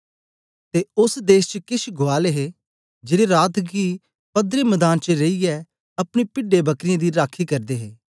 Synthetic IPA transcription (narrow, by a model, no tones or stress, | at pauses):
t̪eːʊsd̪eːʃt͡ʃəkɪʃɡoaːleɦe | d͡ʒeːɽeɾaːt̪ʰɡiː | pɐd̪ɾeməd̪aːnt͡ʃəɾeiɛ | ɐpɽ̃epɪɖebɐkɾɪjãd̪iɾaːkʰikɐɾd̪eːɦeː